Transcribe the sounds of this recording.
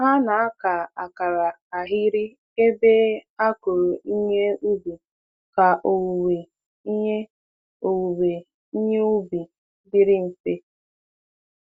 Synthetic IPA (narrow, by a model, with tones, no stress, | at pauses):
ɦa˦na˨a˦ka˨a˨ka˨ɾa˨ | a˨ɦi˦ɾɪ˦ | e˦be˦a˦ko˨ɾo˨ʔi˦ɲe˦u˦bu˨ | ka˨ʔo˨wu˨we˨ | i˦ɲe˦ | o˨wu˨we˨ | i˦ɲe˦u˦bi˨ | dɪ˦ɾɪ˦n̩˨te˦